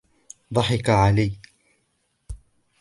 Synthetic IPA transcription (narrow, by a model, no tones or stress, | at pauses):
d̪ˤɑħɪkaʕalaj